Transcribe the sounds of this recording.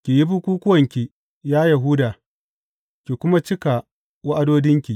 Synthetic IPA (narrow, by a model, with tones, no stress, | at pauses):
kʲi˨ji˦bu˦kʷuː˦kʷʊ˦wɐ˨ŋkʲi˨ | jaː˦jɐ˨ɦʊ˦daː˨ | kʲi˨kʷʊ˦ma˦t͡ʃɪ˦ka˨ | wa˦ʔa˦doː˦dɪ˦ŋkʲi˨